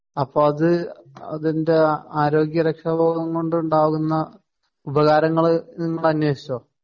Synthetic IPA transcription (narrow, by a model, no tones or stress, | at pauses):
ɐpːoːɐðɨɐ̰ðinde̞aːɾo̞ːɡjɐɾɐkʂɐbʱoːɡɐŋkoɳɖuuɳɖaːɣunːɐ | ubɐɣaːɾɐŋːɐɭniŋːɐɭɐnjweːɕi̥t͡ɕːoː